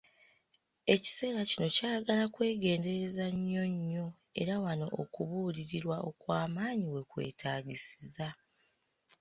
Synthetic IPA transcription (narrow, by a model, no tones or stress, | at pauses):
e̞ci̥se̞ːɾacino̞caːjaɡalakwe̞ːɡe̞ːnde̞ɾe̞zaɲːo̞ɲːo̞ | e̞̰ɾawano̞̰ʔo̰kuβuːliɾiɾwao̞kwaːmaːɲiwe̞kwe̞̰ːtʰaːɟisiza